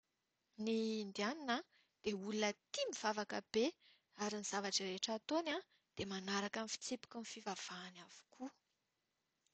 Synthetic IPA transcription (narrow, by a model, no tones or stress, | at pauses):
niːnd̪ianinə | d̪̥eulunət̪imiv̥avakəb̥e | aɾiniz̥avaʈ͡ʂireʈ͡ʂat̪ona | d̪̥emanaɾakamfi̥t͡sepu̥kənifivav̥aːnav̥u̥kʰu